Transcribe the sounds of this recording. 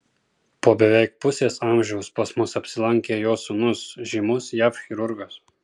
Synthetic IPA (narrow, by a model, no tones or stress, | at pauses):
poːbʲɛʋʲɛɪk̚pʊsʲeːsɑmʲʒʲɛʊspɐsmʊsɐpʲsʲɪlˠɐŋʲkʲɛjoːsʊnʊsʒʲimʊsjafxʲɪɾʊɾɡɔs